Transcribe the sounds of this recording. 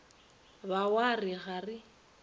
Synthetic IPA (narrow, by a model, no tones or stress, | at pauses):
bawarɪɣarɪ